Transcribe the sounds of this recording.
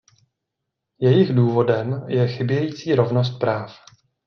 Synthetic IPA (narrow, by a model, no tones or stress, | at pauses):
jɛjɪxduːvo̞dɛmjɛxɪbjɛjiːt͡siːɾo̞vno̞s̬t̪̚pɾaːf